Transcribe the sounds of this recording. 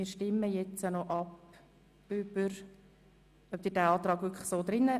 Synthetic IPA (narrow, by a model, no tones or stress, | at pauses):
ɪːɾʃtɪməjɛt͡sanɔʔɑp | yb̥əɾ | œp̚d̥ɪːdæːɑːt̪ɾɑːɡvʋʏkʰlə̥soːd̪ɾɪnːə